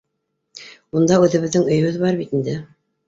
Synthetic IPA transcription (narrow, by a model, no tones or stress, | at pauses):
und̪ɑʉðɘ̆βɘ̆ðːɘŋɵ̆jɵ̆βɘðβɑɾβit̪ind̪ɘ